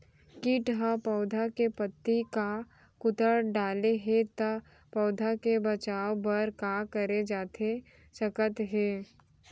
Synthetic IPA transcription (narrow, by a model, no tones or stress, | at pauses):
kiːʈɦãpɔʊd̪ʱakepət̪ːika | kʊt̪əɽɖaːleɦet̪ɐ | pɔːd̪ʱakebɐt͡ʃaːobɐɾkakəɾed͡ʒaːt̪ʰe | səkət̪ɦeː